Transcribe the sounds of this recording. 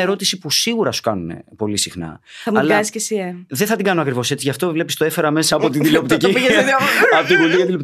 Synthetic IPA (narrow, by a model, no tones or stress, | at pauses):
e̞ɾo̞t̪isipusiɣuɾɐsu̥kɐnune̞̰po̞lisixnɐ̰ɐmɐlsiscesieðeθɐt̪iŋɡɐnoɐkɾivo̞se̞t͡siʝɐft̪o̞vle̞pist̪oe̞fe̞ɾɐme̞sɐːpo̞t̪iðilopt̪icipiʝeeðɐɐpot̪ivult̪iɐilopt̪